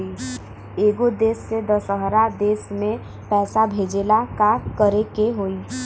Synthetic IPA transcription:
i | eːɡod̪eːsːed̪əsəɦɾad̪eːsmẽ | pɛːsabʱeːd͡ʒeːlakakəɾekeɦoːiː

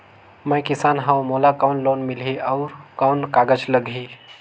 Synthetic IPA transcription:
mɛ̃kɪsaːnɦãwmoːlakaːnloːnmɪlɦiɔːɾkaːnkaːɡəd͡ʒləɡʱɦi

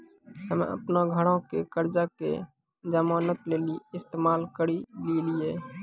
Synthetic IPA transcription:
ɦəmḛ̃ə̰pnaɡʱəɽõkḛkəɾd͡ʒakḛ | d͡ʒəmaːnət̪leːliɪst̪eːmaːlkəɾililɪjeː

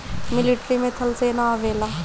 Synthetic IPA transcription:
mɪliʈɾiːmẽt̪ʰəlseːnaːʋeːlaː

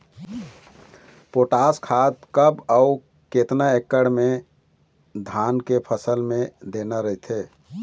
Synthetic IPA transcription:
poʈaskʰat̪kəbau | ket̪naekːəɽme | d̪ʱankepʰəsəlmed̪enaɾəɦit̪ʰe

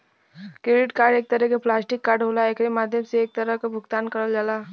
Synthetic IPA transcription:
kɾɪɖɪʈkaːɾɖeːk̚t̪əɾəkeplaːsʈɪkːaːɾɖɦoːlaekʰɾemaːd̪ʱjəmseeːk̚t̪ɐɾəɦkabʱʊɡt̪aːnkɐɾəld͡ʒalaː

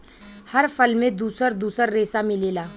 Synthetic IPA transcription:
hɐɾfʰəlmẽd̪uːsəɾd̪uːsəɾːeːsamɪleːlaː

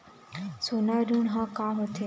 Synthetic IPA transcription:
sonaɾunɦãkaːɦot̪ʰe

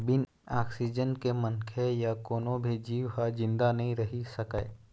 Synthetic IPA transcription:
bɪn | aːksid͡ʒənkemɐ̃nkʰejakoːnõbʱid͡ʒiːwɦad͡ʒɪ̃nd̪anɐɦĩɾɐɦisɐkae

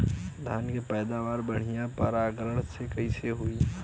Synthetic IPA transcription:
d̪ʱaːnkepɛːd̪aːʋaːɾbəɽ̤ijãpəɾaːɡɾəɽsekɐiseɦui

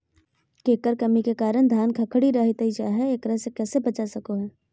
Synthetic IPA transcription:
keːkəɾkɐmikekaːɾə̃d̪ʱjaːnkʰɐkʰɽiɾɐɦɪt̪it͡ʃa̰ːɦɛeːkɾəɦsekɛːsebɐt͡ʃasɐkoɦɛː

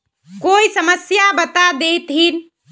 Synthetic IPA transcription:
koisəməsjabət̪ad̪et̪ɦin

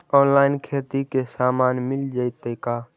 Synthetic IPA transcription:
ɔːnlaːɪnkʰeːt̪ikesaːmaːnmɪld͡ʒaɪt̪əkaː

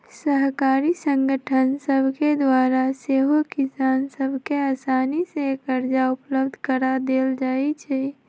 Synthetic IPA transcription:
səɦkaːɾisə̃ŋɡəʈʰənsəbʱked̪waːɾaseːɦokɪsaːnsəbʱkeaːsaːnisekəɾd͡ʒaʊpləbd̪ʱkəɾad̪eːld͡ʒaːit͡ʃʰɛ

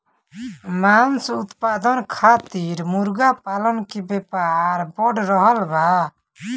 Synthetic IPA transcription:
mansut̪pad̪ɔnkʰat̪iɾmuɾɡapalɔnkibɛpaɾbɔɖɾɔɦɔlba

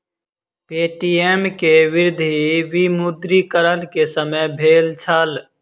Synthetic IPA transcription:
peːʈiːeːmkeʋɪɾd̪ʱiʋimʊd̪ɾikəɾənkesəməjbʱeːlt͡ʃʰəl

